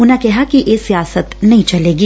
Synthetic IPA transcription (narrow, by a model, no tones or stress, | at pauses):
ʊnakɛɦakijʔesijaːsət̪nɐɦĩt͡ʃɐleːɡiː